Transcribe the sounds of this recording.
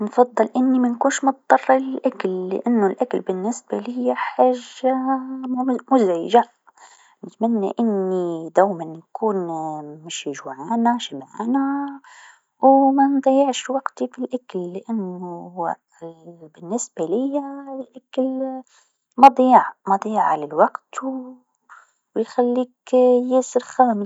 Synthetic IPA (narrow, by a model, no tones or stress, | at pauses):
nfɑd̪ˤːɨlʔɪnːimankuːnʃmʊt̪̚ˤd̪ˤɑrˤːɪllʔaklːɪ̰ʔanːʊlʔaklbɪnːɪsbalɪjːaħaːʒːa | mʊzʕiʒa | nɪt̪manːa̰ʔɪnːid̪aːmannkuːnmɪʃɪʒwʕaːnaʃɪbʕa̰ːna | wmand̪ˤɑjɪʕʃwɑɡt̪ifilʔakalːɪʔanːʊ | bɪnːɪsb̥alɪjːalʔakal | mɑd̪ˤiːʕmɑd̪ˤiːʕalɪlwɑqt̪ | jxalːiːkjɪːsɪɾxaːmɪ